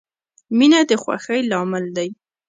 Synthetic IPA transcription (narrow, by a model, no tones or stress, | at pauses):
minad̪əxwa̰xəjlɑmɪld̪aj